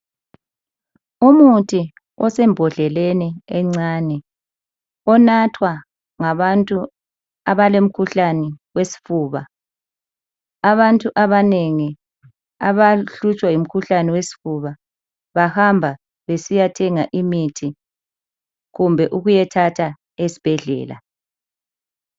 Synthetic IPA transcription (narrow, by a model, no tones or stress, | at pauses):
umutʰʼi | ɔsɛmbʱɔɮɛleniɛŋ͡ǀanɛ | ɔnatʰwa | ŋaβantʼu | aβalem̩kʰuɬanɛwesi̥fuːβa | aβantʼuʔaβaneŋi | aβaɬut͡ʃʼwajim̩kʰuɬanɛwesi̥fuβa | βahambʱa | βesijatʰɛŋaʔimitʰi | ɣumbʱɛʔuɣujɛtʰatʰa | esi̥b̥ʱɛɮɛ̰ːla̰